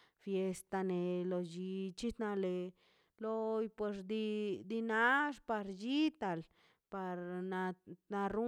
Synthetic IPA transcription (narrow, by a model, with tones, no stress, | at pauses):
fje˧st̪a˧ne˨lo˨d͡ʒi˧t͡ʃi˦t̪na˧le˨ | lo˧jpwe˧sd̪i˧d̪i˧na˦ʐpa˧ɾd͡ʒi˦t̪a˧l | pa˧ɾna˧na˧ɾu˦